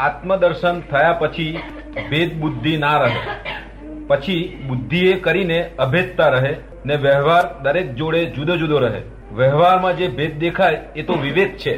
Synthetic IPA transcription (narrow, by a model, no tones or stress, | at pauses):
at̪məd̪əɾʃənt̪ʰəjapət͡ʃʰi | bed̪̚bud̪ʱːinaɾəɦḛ | pət͡ʃʰibʊd̪ʱːiekəɾineəbʱed̪̚t̪aɾəɦe | neʋəɦʋaɾd̪əɾek̚d͡ʒoɽed͡ʒud̪d͡ʒud̪ʱoɾəɦḛ | ʋəɦʋaɾmãd͡ʒebʱed̪̚d̪ekʰajet̪oʋiʋed̪̚t͡ʃʰe